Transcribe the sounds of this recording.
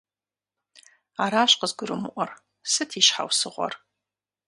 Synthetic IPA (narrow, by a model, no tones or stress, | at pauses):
aːɾaːɕqəzɡʷʊɾɨmɨʔʷɔr | sɨtʰiːʃħa̰wsɨʁʷɔ̰r